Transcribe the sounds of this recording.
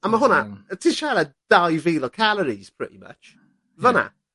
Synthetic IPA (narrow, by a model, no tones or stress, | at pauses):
əməɦʊnətʰɪ̥ʃaləd̥aɪviːlokʰaləɾiz̥pʰɹ̥ɪ̰tḭmə̰t͡ʃ | ðənə̰